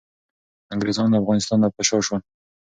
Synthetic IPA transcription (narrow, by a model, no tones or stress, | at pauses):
aŋɡɾezɑnd̪afɣɑnɪst̪ɑnd̪apaʃɑʃwan